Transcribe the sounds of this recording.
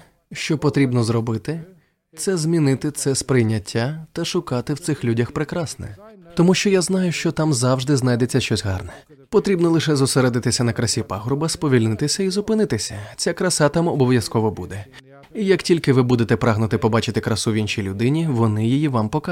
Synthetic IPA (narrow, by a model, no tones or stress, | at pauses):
ʃt͡ʃɔpɔt̪ɾʲibnɔzrɔbɪt̪ɪ | t̪sɛzmʲinɪt̪ɪt̪sɛspɾɪjnʲːɐtʲːat̪ɐʃʊkɑt̪ɪwt̪sɪxlʲudʲɐxpɾɪkɾɑsnɛ̰t̪ɔmuʃt͡ʃɔjaznɑjʊʃt͡ʃɔt̪ɑmzɑwʒd̪ɪznɑjd̪et͡sʲːɐʃt͡ʃɔsʲɦɑrnɛ | pɔt̪ɾʲibnɔlˠɪʃɛzʊseɾɛd̪ɪt̪ɪsʲɐnɐkɾɐsʲipaɦɾʊbɐspɔʋʲilʲnɪt̪ɪsʲɐizʊpɪnɪt̪ɪsʲɐt͡sʲakɾɐsɑt̪ɑmɔbɔʋʲjɐskɔʋɔbud̪ɛ | ijɐktʲilʲkɪʋɪbud̪et̪ɛpɾɑɦnʊt̪ɪpɔbɑt͡ʃɪt̪ɪkɾɐsuʋʲinʃijlʲʊd̪ɪnʲiʋɔnɪjijiʋɑmpɔka